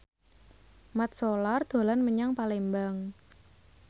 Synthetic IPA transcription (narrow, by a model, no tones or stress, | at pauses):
mat̪̚solard̪̥o̤lanməɲaŋpalembaŋ